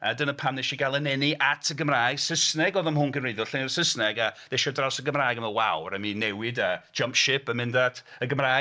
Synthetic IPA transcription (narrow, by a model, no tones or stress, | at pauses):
adənəpʰamnɛʃiɡalˠənɛniʔatʰəɡəmraːjɡ̥səsnɛɡɔðɔmhʊnɡənrejðʊɬɪnirsəsnɛɡaðɛʃɔdrawsəɡəmraːjɡəməwawrəminɛwɪdə̥d͡ʒʌmpʃɪpəmɪ̃ndatʰəɡəmraː